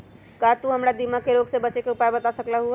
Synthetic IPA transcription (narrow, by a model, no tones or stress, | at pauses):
kat̪uɦəmɾad̪imakeɾoɡsebət͡ʃekeupaebət̪asəklaɦu